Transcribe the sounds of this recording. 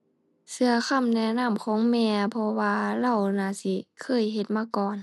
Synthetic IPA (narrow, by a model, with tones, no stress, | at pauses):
sɯ˧ɐkʰa˧˨mnɛ˧˨na˧˥˨mkʰɔː˨˦ŋmɛː˧pʰɔ˧waː˧la˧˩˨wnaː˧˩si˧˩kʰɤː˧˥˩jɦe˧˩t̪̚maː˧˥˨kɔː˨˩n